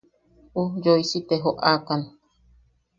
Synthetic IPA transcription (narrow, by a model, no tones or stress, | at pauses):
ujoisit̪eɦoʔakan